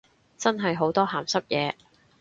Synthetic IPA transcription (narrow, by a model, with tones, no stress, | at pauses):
t͡sɐ˥nɦɐ˨jɦo˨˥wt̪ɔː˥haː˨msɐ˥p̚jɛː˨˧